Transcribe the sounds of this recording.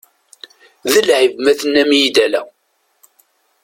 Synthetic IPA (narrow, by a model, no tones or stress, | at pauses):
ðəlʕivmæθənːæmjid̪ælæ